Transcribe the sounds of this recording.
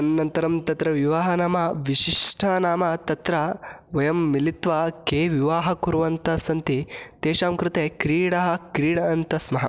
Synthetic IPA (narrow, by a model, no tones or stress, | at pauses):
ɐnnɐnt̪ɐɾɐmt̪ɐt̪ɾɐʋiʋaːɦɐnaːmɐʋiʃiʂʈʰɐnaːmɐt̪ɐt̪ɾɐʋɐjɐmːilit̪ʋɐkeːʋiʋaːɦɐkuɾʋɐnt̪ɐsɐnt̪it̪eːʃaːmkɾut̪eːkɾiːɽɐɦɐ̆kɾiːɽɐɐnt̪ɐsmɐɦɐ̰